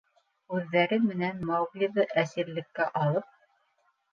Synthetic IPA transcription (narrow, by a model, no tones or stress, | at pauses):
ʉðːæɾɘmɘ̆nænmæwɡlʲiðɤʔæsĭɾlɘ̆kːæʔɑlˠɤp̚